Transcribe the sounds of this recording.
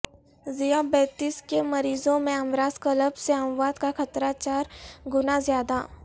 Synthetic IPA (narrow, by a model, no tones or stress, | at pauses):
zijabɛːt̪iːskemɐɾiːzõmẽəmɾaːzkələbseəmʋaːd̪kakɐt̪ɾat͡ʃaːɾɡʊnazjaːd̪a